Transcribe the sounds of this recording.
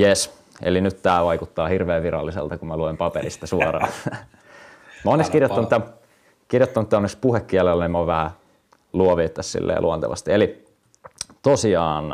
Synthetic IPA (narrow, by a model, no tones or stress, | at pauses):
jes | ḛlinyt̪t̪æːʋɑikut̪ːɑːhirʋeːʋʋirɾɑ̰lːisḛlt̪ɑkummæluempɑperist̪ɑsuɑrɑ̰ːn | mæonːekskirjot̪ːɑnt̪ːæ | kirjot̪ːɑnut̪ːæonːekspuhekːiælelːænimoʋʋæhæ | luoʋeːt̪ːæssḭlːḛːlʔuont̪ḛʋɑ̰st̪ieli | t̪osiɑːn